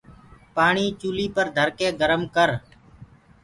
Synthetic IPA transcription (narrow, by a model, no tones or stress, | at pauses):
paːɳiːt͡ʃuːliːpəɾd̪ʱəɾkẽːɡəɾəmkəɾ